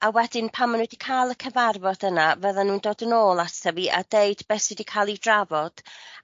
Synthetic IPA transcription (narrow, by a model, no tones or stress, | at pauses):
awɛdɪnpʰamənwɛdikʰaːlˠəkʰəvarvɔdənavəðanuːndoːdənoːlˠasəviʔa̰deɨd̥bɛsɪdikʰaːlˠidravɔd̥